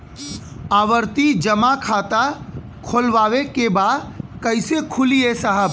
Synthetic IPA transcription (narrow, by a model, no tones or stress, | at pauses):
aːʋəɾt̪id͡ʒəmakʰaːt̪a | kʰoːlʋaːʋekebaːd̪kəɪsekʰʊliesəɦə